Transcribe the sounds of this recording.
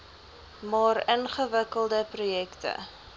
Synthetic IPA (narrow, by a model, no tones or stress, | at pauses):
mɑːrənχəvəkəlˠdəprujɛktə̰